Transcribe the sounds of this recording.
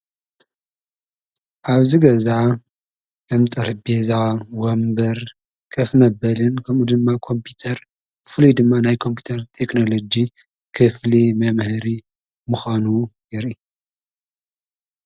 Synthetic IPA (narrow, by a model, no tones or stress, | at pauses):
ʔaβziɡɐzaʕ | ɐmt̪ʼɐɾɨbezawombɐɾ | kʼɐfmɐbɐlɨnkʰɐmud̪ɨmːakʰo̞mpʰut̪ʰɐɾ | fɨlujd̪ɨmːanajkʰo̞mpʰu̥t̪ʰɐɾt̪ʰe̞knolod͡ʒi | kʰɨflimɐmhɨɾi | mɨxanujɪɾi